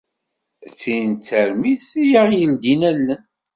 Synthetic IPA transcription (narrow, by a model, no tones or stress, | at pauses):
θint͡sːəɾmiθijaʁjəld̪inælːən